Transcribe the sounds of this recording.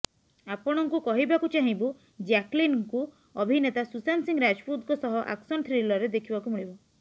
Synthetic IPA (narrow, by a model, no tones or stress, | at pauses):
apɔɽ̃ɔŋkukɔɦibakut͡ʃaɦĩbu | d͡ʒaklinŋku | ɔbʱinet̪asusansiŋɡɾad͡ʒput̪kɔsɔɦɔʔa̰ksɔnʈʰɾilɔɾed̪ekʰibakumiɭibɔ